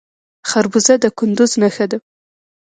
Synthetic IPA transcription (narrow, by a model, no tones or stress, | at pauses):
xaɾbuzad̪əkʊnd̪ʊznaxad̪a